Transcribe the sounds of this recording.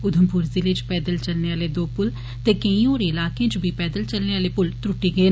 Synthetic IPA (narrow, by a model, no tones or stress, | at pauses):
ʊd̪ʱəmpʊɾzilet͡ʃpɛːd̪əlt͡ʃəlneːaːleːd̪oːpʊl | t̪eːkəĩːoːɾeɪlaːkeẽːt͡ʃbʱiːpɛːd̪əlt͡ʃəlneːaːleːpʊlt̪ɾʊʈiːɡəeː